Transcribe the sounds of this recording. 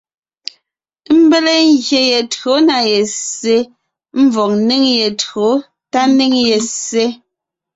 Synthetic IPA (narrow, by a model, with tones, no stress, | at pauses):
m̩˦be˦le˦ŋ˦ɣje˨je˨tɰo˨˦na˨je˨se˦ | m̩˦vɔ˨kni˦ŋje˨to˨˦ | ta˦ni˦ŋje˨se˦